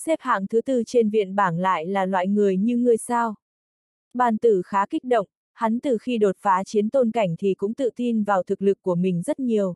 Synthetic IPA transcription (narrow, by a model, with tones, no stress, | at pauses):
sɛ˦˥p̚ha̰ː˧˨ŋt̪ʰɨ˨˦t̪ɨ˧t͡ɕe˧nvḭ˧˨ənɓaː˧˩ŋla̰ː˧˨jlaː˨˩lwa̰ː˧˨jŋɨ˨˩əjɲɨ˧ŋɨ˨˩əjsaː˧w | ɓaː˨˩nt̪ɨ˧˩xaː˨˦ki˦˥k̟̚ɗo̰˧˨wŋ͡m | ha˨˦nt̪ɨ˨˩xi˧ɗo˨˩t̚faː˨˦t͡ɕi˨˦ənt̪o˧nka˧˩jŋ̟t̪ʰi˨˩kʊ̰˧˥ŋ͡mt̪ɨ̰˧˨t̪i˧nvaː˨˩wt̪ʰɨ˨˩k̚lɨ˨˩kːu˧˩əmï˨˩ŋ̟zə˦˥t̚ɲi˨˩əw